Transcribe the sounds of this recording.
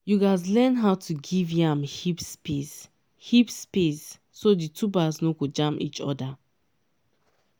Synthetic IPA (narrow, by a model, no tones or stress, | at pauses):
juɡas̬lɛnɦaʊtʰuɡivjãmhipspis | hipspisː | oditʰubaznokod͡ʒãmpḭt͡ʃɔ̰da